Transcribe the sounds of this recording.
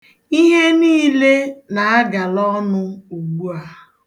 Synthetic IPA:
i˦ɦe˦niː˦le˦na˨a˦ɡa˨lɔ˦nʊ˦u˨ɡ͡bu˦a˨

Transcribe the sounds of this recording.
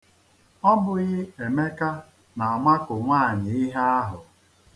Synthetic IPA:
ɔ˦bʊ˨ɣɪ˦e˨me˦ka˦ | na˨a˨ma˦kʊ˨ŋʷaː˦˨ɲɪ˨ɪ˦ɦa˦a˦ɦʊ˨

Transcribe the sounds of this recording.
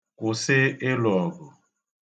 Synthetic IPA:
kʊ˨sɪ˦ɪ˦lɔ˨ɡɔ˨

